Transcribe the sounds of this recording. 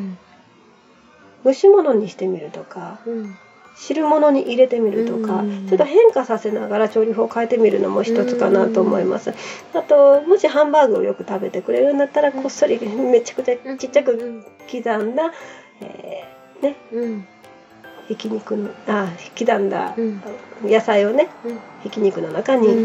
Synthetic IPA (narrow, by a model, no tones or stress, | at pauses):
mɯ̟ɕimo̞noɲ̟iɕi̥t̪e̞mʲiɾɯ̟t̪o̞ka | ɕiɾɯ̟mo̞no̞ɲ̟iʔiɾe̞t̪e̞mʲiɾɯ̟t̪o̞kat͡ɕoot̪ːoɦẽ̞ŋkasase̞naɡaɾat͡ɕo̞ːɾʲiɦokaet̪e̞mʲiɾɯ̟no̞̰mo̞çi̥t̪o̞t͡sɨ̥kanat̪o̞ːmo̞̰ima̰sɨ | at̪o̞mo̞ɕihãmbaːɡɯ̟o̰jo̞kɯ̟t̪abe̞t̪e̞kɯ̟ɾe̞ɾɯ̟̃nd̪at̪ːaɾakʰo̞sːo̞ɾʲime̞t͡ɕḁk̟t͡ɕat͡ɕitt͡ɕːakɯ̟kʲid̪ãnd̪a | ḛː | ne̞ | hikʲiɲ̟ikɯ̟nakʲid̪ãnd̪a̰ | jasaio̞ne̞hikʲiɲ̟ikɯ̟no̞nakaɲ̟i